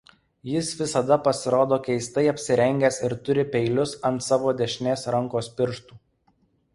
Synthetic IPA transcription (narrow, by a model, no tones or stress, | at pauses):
jɪsʋʲɪsɐd̪ɐpɐsʲɪɾoːd̪oːkʲɛɪst̪ɐɪɐpʲsʲɪɾʲɛŋʲɡʲesɪɾt̪ʊɾʲɪpʲɛɪlʲʊsɐnt̪sɑːʋoːd̪ʲɛʃʲnʲeːsɾɐŋˑkoːspʲɪɾʃt̪uː